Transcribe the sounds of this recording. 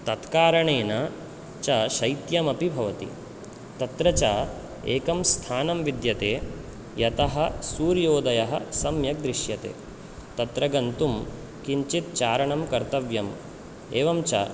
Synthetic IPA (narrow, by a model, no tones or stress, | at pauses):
t̪ɐt̪kaːɾɐɳeːnɐ | t͡ʃɐʃɐjt̪jɐmɐpibʱɐʋɐt̪ḭ | t̪ɐt̪ɾɐt͡ʃaː | eːkɐmst̪ʰaːnɐmʋid̪jɐt̪eː | jɐt̪ɐɦɐsuːɾjoːd̪ɐjɐɦɐ̰sɐmjɐk̚d̪ɾiʃjɐt̪ḛː | t̪ɐt̪ɾɐɡɐnt̪um | kiɲt͡ʃit̪̚t͡ʃaːɾɐɳɐmkɐɾt̪ɐʋjɐm | eːʋɐmt͡ʃɐ̰